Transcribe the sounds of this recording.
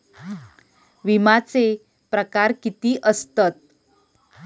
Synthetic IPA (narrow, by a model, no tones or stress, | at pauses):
ʋimat͡se | pɾəkaɾkit̪iːʔəst̪ət̪̚